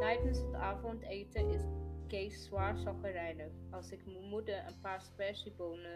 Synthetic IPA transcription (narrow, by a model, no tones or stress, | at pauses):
tɛjdənsətaːfɔntejtəʔɪskejsswaːrsɑχərɛjnəɑlˠsɪkmmudəʔə̰npaːɹspɛʃiboːnə